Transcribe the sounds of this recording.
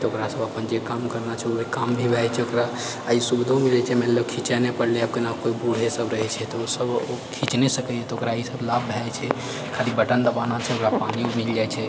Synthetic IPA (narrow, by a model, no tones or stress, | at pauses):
t̪okɾasəbəpənd͡ʒekamkəɾnat͡ʃʰɛoekambʱibʱɛt͡ʃʰɛokɾaː | isubd̪ʱõmilɛt͡ʃʰɛmɛnləbkʰit͡ʃɛnepəɽleəb̚kenakoibuɽɦesəbɾəɦɛt͡ʃʰɛt̪ɔosəbokʰit͡ʃnesəkɛɛt̪ɔokɾaːisəblabbʱɛt͡ʃʰɛ | kʰalibəʈənd̪əbanat͡ʃʰɛokɾapaniõmild͡ʒajt͡ʃʰɛ